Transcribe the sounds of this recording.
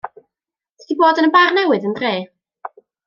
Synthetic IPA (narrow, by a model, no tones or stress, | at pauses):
tʰd̥iboːdənəbarnɛwɨðəndreː